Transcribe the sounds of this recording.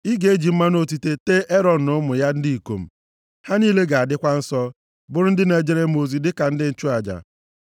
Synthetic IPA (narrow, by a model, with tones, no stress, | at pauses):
i˦ɡe˨˦e˦d͡ʒi˨m̩˦ma˦no˦ti˦te˦te˦ʔe˦ɾɔ˨n̩˨ʊ˦mʊ˨ja˦n̩˦di˦i˨ko̰˨m̩˨ | ha˦niː˦le˦ɡa˨a˨dɪ˦kʷa˦n̩˦sɔ˦ | bʊ˨ɾʊ˦n̩˦dɪ˦na˨d͡ʒe˦ɾe˦˨mo˨zi˨dɪ˦ka˨n̩˦dɪ˦n̩˦t͡ʃu˦a˨d͡ʒa̰˨